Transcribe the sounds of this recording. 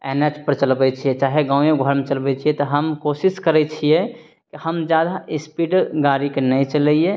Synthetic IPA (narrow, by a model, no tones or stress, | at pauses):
enet͡ʃpəɾt͡ʃəlbɛt͡ʃʰijɛt͡ʃaːɦeɡãːʊ̃jẽɡʱəɾmet͡ʃəlbɛt͡ʃʰijɛt̪ɔɦəmkosiskəɾɛt͡ʃʰijɛ | kihəmd͡ʒjad̪aispiɖɡaɾikenəjt͡ʃəlɛije